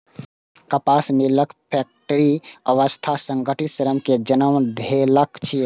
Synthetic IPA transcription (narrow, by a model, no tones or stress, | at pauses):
kəpasmiləkpʰɛk̚ʈəɾiəʋəst̪ʰasəŋɡəʈit̪səɾəmked͡ʒənəmd̪ʱeləkt͡ʃʰi